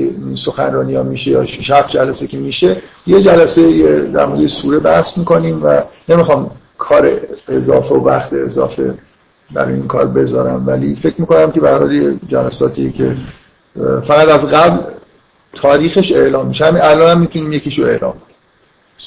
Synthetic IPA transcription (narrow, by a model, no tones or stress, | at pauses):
iso̞xænrɒːnijɒːmiːʃejɒ̰ːʃʃæfd͡ʒælæsecʰemiːʃejed͡ʒælæsejed̪æ̰ɾmoɾd̪ejesuːɾebæhsmiːko̞niːmvæ̰ne̞mixɒːm | kʰɒːɾḛːzɒ̰ːfeovæxt̪ʰeːzɒ̰ːfe̞̰ | bæ̰ɾɒ̰jiŋkʰɒ̰ːɾbe̞zɒːɾæmvælife̞cʰɾmiːko̞næmke̞bæɾhɒ̰ːljed͡ʒælæsɒːt̪ʰiːecʰe̞̰ | fæɣæd̪æzɣæbl | t̪ʰɒːɾiːxe̞ʃe̞ʔlɒːmːiːʃehæminælɒːnhæmːit̪ʰuniːmjeciʃoe̞ʔlɒ̰ːmkʰoni